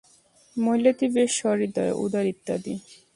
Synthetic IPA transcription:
mojlat̪ibeʃɔɾid̪aḛʔṵd̪aɾit̪ːad̪ḭ

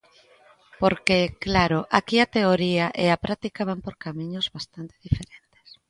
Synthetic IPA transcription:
poɾkeklaɾoʔakiat̪eoɾiaʔeapɾʔat̪ikaβ̞ampoɾkamiɲozβast̪ant̪e̥ðifeɾent̪e̥s

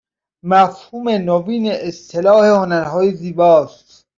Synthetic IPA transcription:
mæfhuːmenobiːneʔːst̪ʰelɒːhe̞honæɾhɒːjeziːbɒːst̪

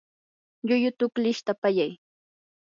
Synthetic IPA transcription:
ʎʊjʊt̪ʊklɪʃt̪apajaj

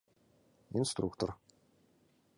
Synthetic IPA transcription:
inst̪rṵkt̪ʰɔr

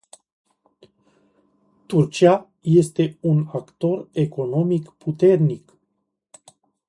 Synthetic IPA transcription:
t̪urt͡ʃia | je̞st̪e̞unakt̪o̞re̞ko̞no̞mikpʰut̪e̞rnik

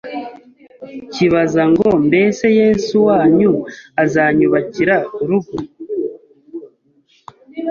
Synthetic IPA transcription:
ciβazaŋɡo̞mbe̞se̞je̞suwaːɲuazaɲuβaciɾauɾuɡu

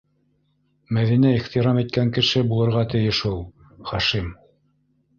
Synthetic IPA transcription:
mæðinæiχt̪iɾɑmit̪̚kæŋkɘ̆ʃɘbulˠɤ̆ɾʁɑt̪ɘ̆jɘʃulˠ | χɑʃim

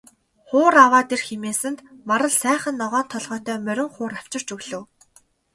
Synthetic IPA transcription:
χʊːɾawaːt̪erxemeːsɘ̆nt̪maɾə̆ɮsæːχə̆nːɔʁɔːnt̪ʰːɔɮʁœːt̪ʰœːmœɾʲɪ̆ŋχʊːɾaw̥t͡ɕɪ̆r̥t͡ɕɵɣɮɘ̆w

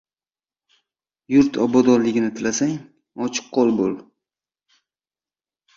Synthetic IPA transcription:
jʊɾt̪ʰɒbɒd̪ɒnlɪɡʲɪnɪt̪ʰɪlasaŋ | ɒt͡ʃʰɨ̥qʰːolˠbolˠ

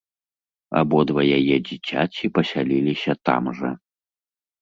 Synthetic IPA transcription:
a̰bɔd̪vɐjajɛd͡zʲit͡sʲat͡sʲipɐsʲalʲilʲisʲɐt̪a̰mʐɐ̰

